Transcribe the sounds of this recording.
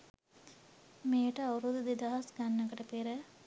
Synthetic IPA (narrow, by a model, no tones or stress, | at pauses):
meːʈəawɾud̪ud̪id̪aɦɐsɡanːɐkəʈəpiɾə